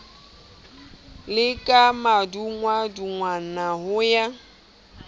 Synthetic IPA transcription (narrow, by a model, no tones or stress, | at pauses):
lɪkʼamaduŋwaduŋwanaɦʊja